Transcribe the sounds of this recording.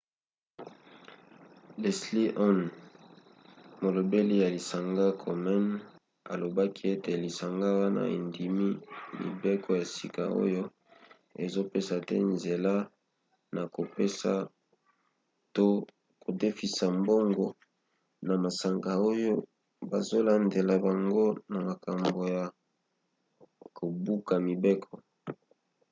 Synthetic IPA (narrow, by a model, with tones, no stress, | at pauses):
lɛ˨sli˦ʔɔ˦n | mo˨lo˨be˦li˦ja˨li˨sa˨ŋɡa˦kʰɔ˨mi˦n | a̰˨lo˨ba˦kʰi˦e˦te˨li˨sa˨ŋɡa˦wa˦na̰˨ḛ˨ndi˨mi˦lḭ˨be˦kʰo˦ja˨si˦ka̰˨o̰˦jo˦ | e˨zo˦pe˦sa˨tɛ̰˦nze˨la˦ | na˨ko˨pe˦sa̰˨ | to˦ | ko˨de˦fi˨sa˨mbo˦ŋɡɔ˨ | na˨ma˨sa˨ŋɡa˨o˦jo˦ | ba˨zo˦la˨nde˨la˨ba˨ŋɡo˦na˨ma˨ka˨mbo˨ja˨ | ko˨bu˦ka˨mi˨be˦kʰɔ˨